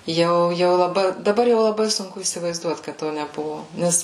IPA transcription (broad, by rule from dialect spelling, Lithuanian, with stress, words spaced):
ˈjɛʊ jɛʊ lˠɐˈbɐɪ dɐˈbɐr jɛʊ lˠɐˈbɐɪ sʊŋˈkʊ iːsʲɪʋɐɪzˈduɔt kɐt ˈtoː nʲɛˈbʊʋoː ˈnʲɛs